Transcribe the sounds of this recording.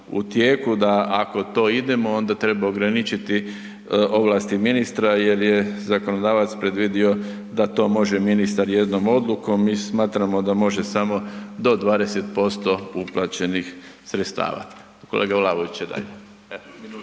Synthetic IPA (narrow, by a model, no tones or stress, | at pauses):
ṵt̪jeːkud̪aako̞t̪o̞ːid̪e̞mo̞o̞nd̪at̪ɾe̞baoɡɾanit͡ʃit̪i | o̞ʋlaːst̪iminist̪ɾaje̞ɾje̞zakonod̪aːʋat̪spɾe̞d̪ʋid̪io̞ | d̪at̪o̞mo̞ʒeminist̪aɾje̞d̪no̞mo̞d̪lˠuko̞mismaːt̪ɾamod̪amo̞ʒe̞samo̞d̪o̞d̪ʋaːd̪e̞set̪̚po̞st̪o̞uplˠat͡ɕe̞nixsɾet̪st̪a̰ːʋa̰ | kolʔeːɡalˠaʋoʋit͡ɕjed̪a̰ʎe